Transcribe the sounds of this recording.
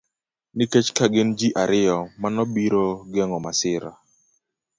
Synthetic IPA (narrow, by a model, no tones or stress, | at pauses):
niket͡ʃkaɡɪnd͡ʒiʔaɾɪjɔmanɔbiɾoɡɛŋɔmasɪɾa̰